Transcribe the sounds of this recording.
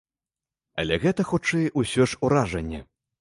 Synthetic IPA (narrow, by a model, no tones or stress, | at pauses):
ɐ̰lʲɛɣɛt̪ɐxut͡ʂɛjʔusʲɔʂuɾaʐɐnʲːɛ̰